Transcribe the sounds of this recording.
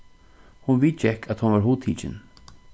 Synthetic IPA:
hʊnviːt͡ʃɛkʰæt̪hʊnvaɹɦuːt̪ʰiːt͡ʃɪ̰n

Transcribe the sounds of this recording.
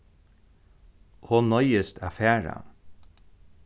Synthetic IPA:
honɔjəst̪afæːɹa̰

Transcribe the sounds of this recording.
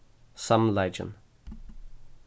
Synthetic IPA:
sʌ̃mlaɪd͡ʒə̰̃n

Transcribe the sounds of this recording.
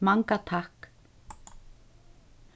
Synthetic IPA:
maŋkat̪ʰahk

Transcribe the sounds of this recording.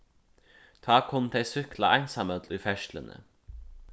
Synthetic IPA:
t̪ʰɑːkʰɔnt̪ʰeɪsʏkla̰ʔæɪnsɑmət̪lyːfɛʃlə̰nə̰

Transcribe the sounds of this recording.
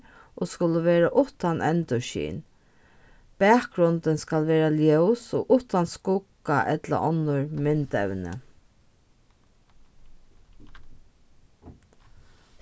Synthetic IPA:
oːskʊləʋeːɾaʔʊht̪anʔɛnt̪ʊʃḭːn | pɛːkɡɾʊnt̪ənskalʋeːɾaljœwsoːʔʊht̪anskʊkːaʔɛt̪la̰ʔɔnːʊɹmɪnt̪ɛ̰wnə̰

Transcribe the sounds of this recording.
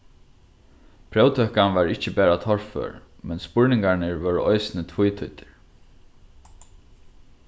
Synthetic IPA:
pʰɾɛwt̪ʰœːkanʋaɹɪht͡ʃəbæːɾat̪ʰɔɹfø̰ːɹ | mɛnspʊɹnɪŋkaɹnɪɹʋœːɹɔɪsɪnɪt̪ʰvʊjt̪ʰʊt̪ɪ̥ɹ

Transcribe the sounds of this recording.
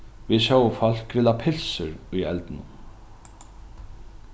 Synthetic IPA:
viðʃɔwfɔl̥kvɪːlapʰɪlsɪɾʊjɛ̰lt̪ɪnʊn

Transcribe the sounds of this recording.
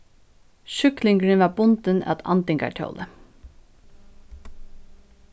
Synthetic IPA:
ʃʏklɪŋɡɹɪnʋabʊnt̪əna̰t̪ɑ̰nt̪ɪŋka̰ʈʰjo̰ʊlə

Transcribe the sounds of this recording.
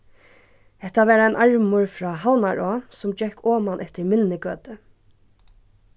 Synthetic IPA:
hɛht̪ːaʋɛːɾaaɪnʔaɹmʊɹfɾɑːɦawnaɹɔːsʊmd͡ʒɛhkʰɔːmanʔɛht̪ɪɹmɪlnɪkøːt̪ɪ

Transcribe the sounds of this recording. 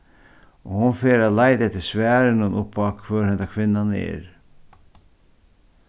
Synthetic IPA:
oːhʊnfeːɾalæɪd̪ɛt̪ːəsʋæːɾənənʔʊpːɑkføːɾhɛnd̪akʰʋɪnːanɛ̰ːɾ

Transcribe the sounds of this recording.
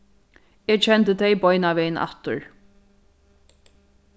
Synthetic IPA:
ɛːt͡ʃʰɛnt̪ət̪ʰɛjbɔjnaʋɛjna̰t̪ʊ̰ɹ

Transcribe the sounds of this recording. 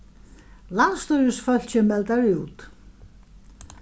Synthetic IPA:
lanst̪œɥɾʏsfœl̥t͡ɕɛmːɛlt̪aɾɪuːt̪

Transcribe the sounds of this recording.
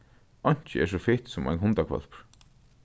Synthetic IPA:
ɔɲ̥t͡ɕɪɛ̰s̬ɔfɪht̪sʊma̰jnɦʊnt̪akʰvœ̰lpɹ̥

